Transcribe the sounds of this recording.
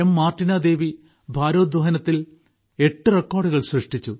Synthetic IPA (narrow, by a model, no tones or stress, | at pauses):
ɐmːaːrʈːinaːd̪e̞ːʋi | bʱaːɾoːd̪ʋɐɦɐnɐt̪ːil | e̞ʈːɨrekːoːrɖuɣɐɭsrɨʂʈit͡ɕːu